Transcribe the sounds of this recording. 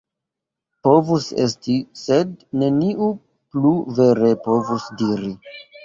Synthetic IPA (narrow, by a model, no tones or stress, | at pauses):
po̞vuse̞̰stise̞dne̞niʔu | pluve̞ɾepo̞vusdiɾi